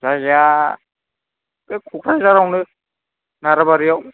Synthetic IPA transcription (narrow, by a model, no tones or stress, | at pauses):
zaja | kekʰukʰɾajzaɾawnɯ | naɾabaɾijaw